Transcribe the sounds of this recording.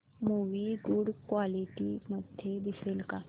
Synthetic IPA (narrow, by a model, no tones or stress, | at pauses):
muːʋiɡʊɽkwaːliʈimɐd̪ʱjed̪ɪselka